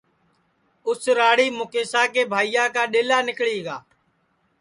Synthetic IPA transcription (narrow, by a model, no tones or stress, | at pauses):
ʊsɾaːɽiːmʊkeːsaːkeːbʱaːijaːkaːɗeːlaːnɪkɭiːɡaː